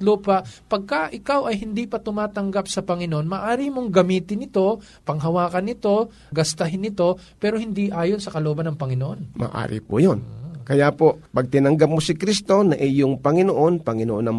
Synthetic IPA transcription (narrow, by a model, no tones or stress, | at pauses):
luːpɐʔpɐɡ̚kɐʔɪkawɐjhɪnd̪ipɐt̪ʊmaːt̪ɐŋɡapsɐpɐŋɪnoʔonmɐʔaːɾɪmoŋɡɐmiːt̪ɪnɪt̪o̞ | pɐŋɦɐwaːkɐnːɪt̪o̞ | ɡɐst̪ɐɦɪnːɪt̪o̞pɛːɾohɪnd̪iʔaːjonsɐkɐloʔoːbɐnːɐŋpɐŋɪnoʔo̞nmɐ̰ʔa̰ːɾɪ̰pʊ̰jonkɐjapo̞pɐɡ̚t̪ɪnɐŋɡap̚mosɪkɾist̪o̞nɐʔɛjoŋpɐŋɪnoʔonpɐŋɪnoʔonɐ